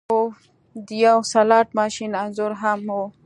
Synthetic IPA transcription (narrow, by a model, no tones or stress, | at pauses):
o | d̪ijawsalɑːʈ̚mɑʃinanzuɾɦamo